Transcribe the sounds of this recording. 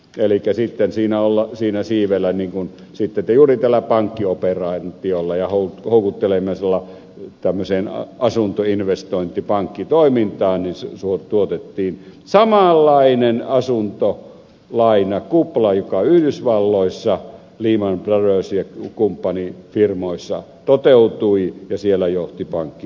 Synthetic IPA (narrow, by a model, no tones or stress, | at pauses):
elikːˑæsit̪ːensiːnæolːɑsiːnæsiːʋelːˑæniːŋkun | sit̪ːet̪ːejuːrit̪ælːˑæpɑŋkːioperɑˑnt̪iolːɑjɑhoˑhoˑukut̪ːelemˑɑsɑlːɑ | t̪æmːøseːnɑsunt̪oinʋest̪oˑint̪ipɑŋkːit̪oˑimint̪ɑːnninssuot̪uot̪et̪ːiːnsɑmɑlːɑinenɑsunt̪o | lɑinɑkuplɑjokɑyhdysʋɑlːoˑisːɑ | liːmɑnprɑrøsjɑkumpːɑnifirmoˑisːɑ̰ | t̪ot̪eˑut̪uijɑsielːˑæjoht̪ipɑŋkːi